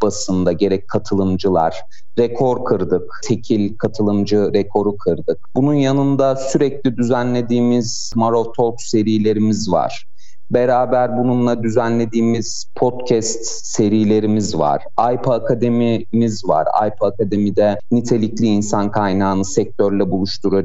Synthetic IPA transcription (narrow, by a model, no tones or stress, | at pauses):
b̥asɯnd̪aɟe̞ɾɛc̚ʲkʰːat̪ʰɯlˠɯmd͡ʒɯlˠa̰ɾ̥ | ɾekʰo̞ɾkʰɯɾd̪ɯkt̪ʰe̞cʰilʲkʰat̪ʰɯlˠɯmd͡ʒɯɾekʰo̞ɾukʰɯɾd̪ɯk̚bununjanɯnd̪asyɾɛclʲid̪yzænlʲe̞d̪iːmiz | maɾovt̪ʰo̞kse̞ɾijlʲe̞ɾimizva̰ɾ̥ | be̞ɾaːbæɾbununlˠad̪yzænlʲe̞d̪iːmiz̥ | pʰo̞t̪cʰɛst̪ | se̞ɾijlʲe̞ɾimizva̰ɾ̥ | ajpʰːkʰad̪e̞mimizva̰ɾa̰jpʰɯakad̪e̞mid̪ɛnit̪ʰe̞lʲiclʲiːnsankʰajnaːnɯsɛc̚t̪ʰøɾlʲɛbulˠuʃt̪ʰuɾu